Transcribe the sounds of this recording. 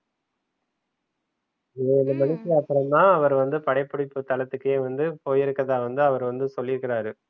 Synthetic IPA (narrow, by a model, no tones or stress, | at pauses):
eːɪnd̪ɐmɐɳɪkːɯɐpːɯɾɐmd̪ãːɐʋɐɾʋɐnd̪ɯpɐɽɐɪpːɯɽɪpːɯt̪ɐlɐt̪ːɯkːɯjeːʋɐnd̪ɯpoːjɪɾɯkːɐðãːʋɐnd̪ɯɐʋɐɾʋɐnd̪ɯsɔlːɪɾɯkːɪɾaːɾɯ